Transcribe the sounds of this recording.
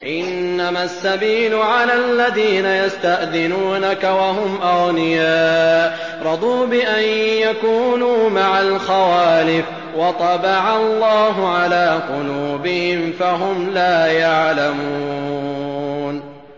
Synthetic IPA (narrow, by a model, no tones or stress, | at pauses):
ʔɪnːamasːabiːlʊʕalalːaðiːnajast̪aʔðɪnuːnakawaɦʊmʔɑɣnɪjaːʔ | ɾˤɑd̪ˤuːbɪʔanjakuːnuːmaʕalxawaːlɪf | wɑt̪ˤɑbɑʕɑlˤːɑːɦʊʕalaːqʊluːbɪhɪmfaɦʊmlaːjaʕlamuː | n